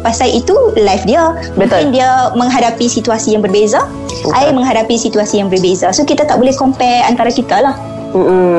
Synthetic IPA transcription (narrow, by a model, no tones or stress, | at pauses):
pasaʔit̪ulajfdia | mŋɪndiamə̃ŋɦadapisit̪uasijaŋbərbeza | ʔaɪmə̃ŋɦadapisit̪uasijaŋbərbezasokit̪at̪aʔbolɛhkompɛant̪aɾakit̪alah | m̩